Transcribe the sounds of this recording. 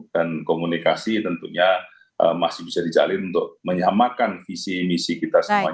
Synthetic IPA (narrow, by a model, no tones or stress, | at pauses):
dankomunikasit̪ənt̪uɲa | ʔə̰masɪhbisadid͡ʒa̰lɪnunt̪ʊk̚məɲamakanfisimisikit̪asamua